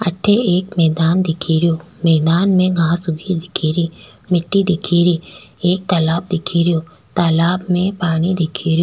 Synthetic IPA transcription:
ɐʈʰeʔeːkmɛːd̪aːnd̪ɪkʰiɾɪjoː | mɛːd̪aːnmẽɡʱãːsʊɡʱid̪ɪkʰiːɾiː | mɪʈːid̪ɪkʰiːɾiːeːk̚t̪ɐlaːb̚d̪ɪkʰiɾɪjoː | t̪aːlaːbmẽpaːñid̪ɪkʰiɾɪjoː

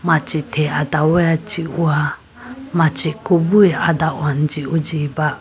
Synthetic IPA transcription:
mãt͡ʃitʰeadawɛat͡ʃiua | mãt͡ʃikubuia̰dawan̩d͡ʒiud͡ʒiba

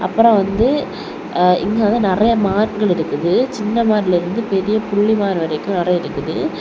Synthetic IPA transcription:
ɐpːɯɾõʋɐnd̪ɯ | ɪ̰ŋɡaːðãnɪrɐjɐmaːnɡɐɭɪɾɯkːɯðɯt͡ʃɪnːɐmaːɾɪlɪɾɯnd̪ɯpɛɾɪjɐpʊɭːimaːɾɯʋɐɾɐɪkʲːʊ̃nɪrɐɪɾɯkːɯðɯ

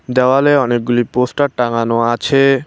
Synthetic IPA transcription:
d̪ɛwaleɔnek̚ɡuliposʈaʈaŋanoat͡ɕʰe

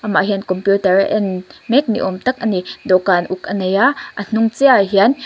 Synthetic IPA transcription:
ʔama̰ʔɦiənkɔmpjut̪ɐrʔɛ̰nmɛk̚nḭʔɔmt̪ɐk̚ʔənidɔkanʔuk̚ʔənejaʔən̥uŋt͡sɛaɦian

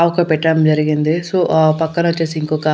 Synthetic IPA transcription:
aʋɐkɐpɛʈːɐɐmd͡ʒɐɾiɡind̪isoːpɐkːɐnʋɐt͡ʃːe̞ːsiːŋkɔːkɐ

